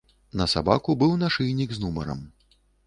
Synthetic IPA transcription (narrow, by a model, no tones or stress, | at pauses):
nɐsaba̰kubɨwnaʂɨjnʲiɡznumɐɾɐ̰m